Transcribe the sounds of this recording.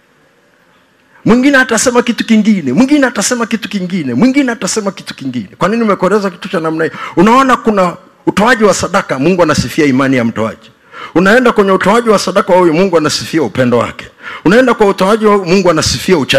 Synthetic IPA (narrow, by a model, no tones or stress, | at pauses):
mwiŋɡinɛatasɛmakitu̥kiŋɡinɛmwiŋɡinɛatasɛmakitu̥kiŋɡinɛmwiŋɡinɛatasɛmaki̥tu̥kiŋɡinɛkwaniniumɛkɔɾɛzaki̥tu̥t͡ʃanam̩naiunaɔnakuna | utɔaʄiwasaɗakamuŋɡuanasifiaimanijam̩tɔa̰ʄi | unaɛndakwɛɲɛutɔaʄiwasaɗakawɔjumuŋɡuanasifiaupɛndɔwa̰kɛ̥unaɛndakwautɔaʄiwamuŋɡuanasifiaut͡ʃa